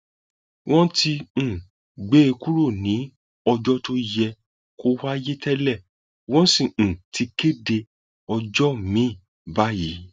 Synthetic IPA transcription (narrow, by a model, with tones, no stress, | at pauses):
wʔɔ̃˦tĩ˧˦˨ | ɡ͡be˨˦e˧ku˦ɾo˦˨nĩ˨˦ | ɔ˧d͡ʒɔ˦to˧jɛ˧ | ko˧wa˦je˦tʰɛ˦lɛ˦˨ | wɔ̃˦sĩ˦˨tʰi˧ke˦de˧ | ɔ˧d͡ʒɔ˦mĩ˨˦˨ | ba˨˦ji˨˦